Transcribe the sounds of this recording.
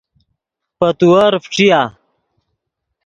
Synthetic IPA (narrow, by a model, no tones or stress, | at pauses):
pɐt̪uɐɾfʈ͡ʂija